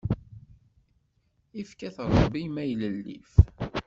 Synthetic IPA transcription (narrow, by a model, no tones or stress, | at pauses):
ifkæθɾˤəbimæjləlːḭf